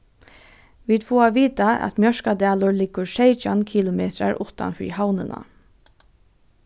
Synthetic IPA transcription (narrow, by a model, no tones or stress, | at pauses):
ʋiːd̪fuːaʋiːt̪aæ̰t̪mjœʂkad̪ɛːlʊɹlɪɡːʊɹʃeɪt͡ʃankʰiːlʊmeːt̪ɾa̰ɹʊht̪a̰nfɹḭːhawnɪ̰nʔa̰